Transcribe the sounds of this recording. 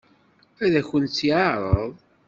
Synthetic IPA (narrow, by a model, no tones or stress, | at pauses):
æðæçənt͡sːjɑɾˤəðˤ